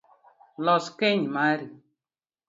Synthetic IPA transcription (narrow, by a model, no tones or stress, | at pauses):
lɔskeɲmaɾi